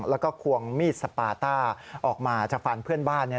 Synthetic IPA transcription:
lɛ˦˥wkɔː˥˩kʰu˧əŋmiː˥˩t̪̚sa˧paː˧t̪aː˥˩ʔɔː˨˩k̚maː˧t͡ɕaː˨˩k̚fa˧˩npʰɯ˥˩ənbaː˥˩nːi˥˩

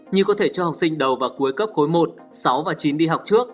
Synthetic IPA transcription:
ɲɨ˧kɔ˨˦t̪ʰe˧˩t͡ɕɔ˧ha˨˩wk͡p̚sï˧ŋ̟ɗə˨˩wvaː˨˩ku˨˦əjkə˦˥p̚xo˨˦jmo˨˩t̚ | sa˨˦wvaː˨˩t͡ɕi˨˦nɗi˧ɦa˨˩wk͡p̚t͡ɕɨ˦˥ək̚

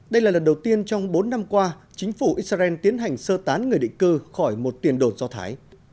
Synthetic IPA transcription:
ɗə˧jlaː˨˩lə˨˩nɗə˨˩wt̪i˧ənt͡ɕɔ˧wŋ͡mɓo˨˦nːa˧mkwaː˧ | t͡ɕï˨˦ŋ̟fu˧˩ʔi˧˦˥t̚sa˧ʔɛ˧nt̪i˨˦ənɦa˨˩jŋ̟səː˧t̪aː˨˦nŋɨ˨˩əjɗ̰ŋ̟kɨ˧xɔ˧˩jmo˨˩t̚t̪i˨˩ənɗo˨˩t̚zɔ˧t̪ʰa̰ː˨˦j

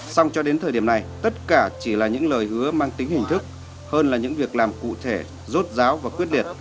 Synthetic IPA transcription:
sa˧wŋ͡mt͡ɕɔ˧ɗe˨˦nt̪ʰəː˨˩ɗi˧˩əmna˨˩jt̪ə˦˥t̚kaː˧˩t͡ɕi˧˩laː˨˩ɲɨ̰˧˥ŋləː˨˩jhɨ˨˦əmaː˧ŋt̪ï˨˦ŋ̟hï˨˩ŋ̟t̪ʰɨ˦˥k̚ | həː˧nlaː˨˩ɲɨ̰˧˥ŋvi˨˩ək̚laː˨˩mkṵ˧˨t̪ʰe˧˩ | zo˦˥t̚zaː˨˦wvaː˨˩kwi˦˥ət̚ɗi˨˩t̚

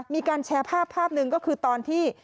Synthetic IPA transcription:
miː˧kaː˧nt͡ɕʰɛː˧˦˥pʰaː˥˩pʰːaː˥˩p̚nɯ˧ŋkɔː˥˩kʰɯː˧t̪ɔː˧nt̪ʰiː˥˩

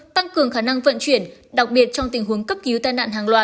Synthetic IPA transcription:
t̪a˧ŋkɨ˨˩əŋxaː˧˩na˧ŋvə̰˧˨nt͡ɕwi˧˩ənɗa˨˩k̚ɓi˨˩ət̚t͡ɕɔ˧wŋ͡mt̪ï˨˩ŋ̟ɦu˨˦əŋkə˦˥p̚ki˨˦wt̪aː˧jna̰ː˧˨nɦaː˨˩ŋlwaː˨˧˩t̚

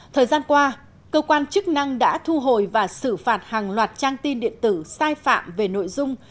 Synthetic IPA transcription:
t̪ʰəː˨˩jzaː˧nkwaː˧ | kəː˧kwaː˧nt͡ɕɨ˦˥k̚na˧ŋɗa̰ː˧˥t̪ʰu˧ɦo̰˧˨jvaː˨˩sɨ˧˩faː˨˩t̚haː˨˩ŋlwaː˨˩t̚t͡ɕaː˧ŋt̪i˧nɗḭ˧˨ənt̪ɨ˧˩saː˧jfa̰ː˧˨mve˨˩no̰˧˨jzʊ˧ŋ͡m

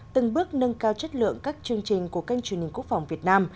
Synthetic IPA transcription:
t̪ɨ˨˩ŋɓɨ˦˥ək̚nə˧nkaː˧wt͡ɕə˦˥t̚lɨ̰˧˨əŋkaː˦˥k̚t͡ɕɨ˧əŋt͡ɕï˨˩ŋ̟ku˧˩əkə˧jŋ̟t͡ɕwənhi˨ŋ̟ku˦˥ək̚fa˨˩wŋ͡mvi˨˩ət̚naː˧m

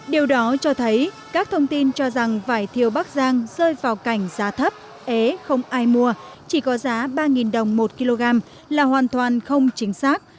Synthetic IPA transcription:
ɗi˨˩əwɗɔ˨˦t͡ɕɔ˧t̪ʰə˨˦j | kaː˦˥k̚t̪ʰə˧wŋ͡mt̪i˧nt͡ɕɔ˧za˨˩ŋfaː˧˩jt̪ʰi˨˩əwɓa˦˥k̚zaː˧ŋzəː˧jvaː˨˩wka˧˩jŋ̟zaː˨˦t̪ʰə˦˥p̚ | ʔe˨˦xə˧wŋ͡mʔaː˧jmu˧ət͡ɕi˧˩kɔ˨˦zaː˨˦ɓaː˧ŋi˨˩nɗə˨˩wŋ͡mmo˨˩t̚ki˧lo˧ɣaː˧m | laː˨˩hwaː˨˩nt̪ʰwaː˨˩nxə˧wŋ͡mt͡ɕï˨˦ŋ̟saː˦˥k̚

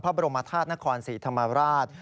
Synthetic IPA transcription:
pʰɾa˦˥ba˧ɾo˧mːa˧t̪ʰaː˥˩t̪̚na˦˥kʰɔː˧nsiː˩˦t̪ʰa˧mːa˧ɾaː˥˩t̪̚

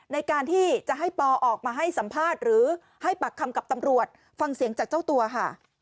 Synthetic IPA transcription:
na˧jkaː˧nt̪ʰiː˥˩t͡ɕa˨˩ɦa˥˩jpɔː˧ʔɔː˨˩k̚maː˧ɦa˥˩jsa˩˦mpʰaː˥˩t̪̚ɾɯː˩˦ | ha˥˩jpa˨˩kʰːa˧mka˨˩p̚t̪a˧mɾu˨˩ət̪̚ | fa˧ŋsi˨˩˦əŋt͡ɕaː˨˩k̚t͡ɕa˥˩wt̪u˧ɐkʰa˥˩

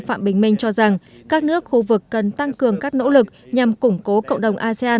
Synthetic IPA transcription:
fa̰ː˧˨mɓï˨˩ŋ̟mï˧ŋ̟t͡ɕɔ˧za˨˩ŋ | kaː˦˥k̚nɨ˦˥ək̚xu˧vɨ˨˩kːə˨˩nt̪a˧ŋkɨ˨˩əŋkaː˦˥k̚no̰˧˥lɨ˨˩k̚ɲa˨˩mkʊ˧˩ŋ͡mko˨˦kə̰˧˨wŋ͡mɗə˨˩wŋ͡mʔaː˧se˧aː˧

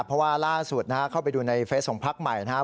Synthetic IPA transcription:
pʰɾɔ˦˥waː˥˩laː˥˩su˨˩t̪̚na˦˥kʰa˦˥kʰa˥˩wpa˧jduː˧na˧jfeː˦˥t̪̚kʰɔː˩˦ŋpʰa˦˥k̚ma˨˩jna˦˥

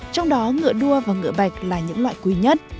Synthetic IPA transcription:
t͡ɕɔ˧wŋ͡mɗɔ˨˦ŋɨ̰˧˨əɗu˧əvaː˨˩ŋɨ̰˧˨əɓa˨˩jk̟̚laː˨˩ɲɨ̰˧˥ŋla̰ː˧˨jkwi˨˩ɲə˦˥t̚

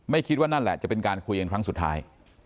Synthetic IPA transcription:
ma˥˩jkʰi˦˥t̪̚waː˥˩na˥˩nlɛ̰˨˩t͡ɕa˨˩pe˧nkaː˧nkʰu˧ja˧nkʰɾa˦˥ŋsu˨˩t̪ʰːa̰ː˦˥j

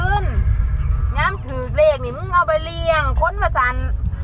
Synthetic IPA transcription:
ɯː˧˥˨n | ɲaː˧˥˨mt̪ʰɯː˨˩kleː˧˩k̚niː˧˩mɯ˧˥˨ŋa˧˩wba˧jli˧əŋkʰo˧˥˨nwaː˧˩sa˨˧˦n

